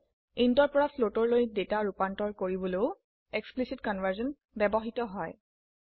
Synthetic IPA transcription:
intɔɹpɔɹafʰlotɔɹlojdetaɹupantɔɹkoɹibɔleʊ | eksplisitkɔnvʱəɹzɔn | bɛbɔɦitɔɦɔj

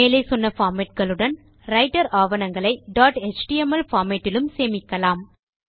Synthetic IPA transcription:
eːlɐɪsɔnːɐfaːmeʈ̚kɐɭɯɽɐn | ɾɐɪʈɐɾaːʋɐnɐŋɡɐɭɐɪɖaːʈet͡ʃʈiɛmɐlfaːmeʈːɪlɯmseːmɪkːɐlaːm

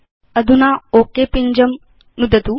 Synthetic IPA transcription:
ɐd̪ʱunaoːkepiɲd͡ʑɐm | nud̪ɐt̪u

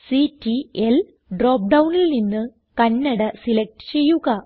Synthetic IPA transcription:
sitːiel | ɖroːp̚ɖɐwnilninːɨ | kɐnːɐɽɐsilek̚ʈɨ̥t͡ɕe̞jːuɣɐ

